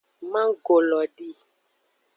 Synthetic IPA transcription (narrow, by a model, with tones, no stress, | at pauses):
mã˦ɡo˨lɔ˨ɖi˦